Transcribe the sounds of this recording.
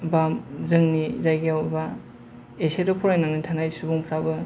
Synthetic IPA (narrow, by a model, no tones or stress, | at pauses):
bamzɯŋnizajɡiawba | esedɔpʰɔɾajnaŋnitʰanajsubuŋpʰɾabɯ